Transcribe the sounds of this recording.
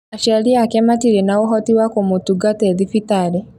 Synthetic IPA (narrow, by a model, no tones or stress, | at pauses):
aʃaliakɛmatiɾenaoɦɔtiwakomutuɡateðifitaɾe